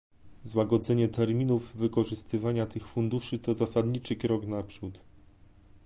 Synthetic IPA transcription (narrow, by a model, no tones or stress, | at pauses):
zwaɡɔd̪zɛɲɛt̪ɛɾmʲinuvːɘkɔʐɘst̪ɘvaɲat̪ɘxfund̪uʂɘt̪ɔzasad̪ɲit͡ʂɘkɾɔɡnapʂut̪